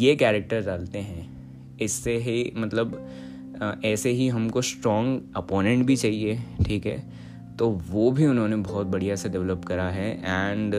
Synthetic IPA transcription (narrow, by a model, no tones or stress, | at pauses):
jeːkɛːɾek̚ʈəɾd͡ʒaːlt̪eɦɛ̃ | ɪsːeɦimɐt̪ləb | ɛːseɦiɦɐmkosʈɾɔ̃ːŋɡɐpɔːnẽɳʈ̚bʱit͡ʃaːɦieʈʰiːkɦɛ̰ː | t̪oːʋoːbʱiʊnɦõnebɔːt̪̚bɐɽ̤ijaɛːseɖɛʋləpkɐɾaɦɛʔɛ̃ːɳɖ